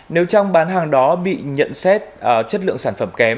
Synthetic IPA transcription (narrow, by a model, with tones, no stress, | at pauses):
ne˨˦wt͡ɕɔ˧wŋ͡mɓaː˨˦nɦaː˨˩ŋɗɔ˨˦ɓḭ˧˨ɲə̰˧˨nsɛ˦˥t̚ʔəː˧˩t͡ɕə˦˥t̚lɨ̰˧˨əŋsaː˧˩nfə˧˩mkɛ˨˦m